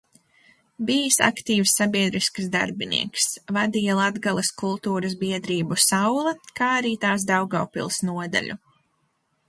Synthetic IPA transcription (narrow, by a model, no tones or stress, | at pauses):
bijsa̰kt̪iːwsːabʲiɛd̪ɾisksd̪a̰ɾbinʲḭɛksvad̪iːjalˠad̪ɡalˠaskulˠt̪uːɾɐzbiɛd̪ɾiːbusawlˠakaːaɾiːt̪aːsd̪awɡawpḭlˠsnuɔd̪a̰lʲu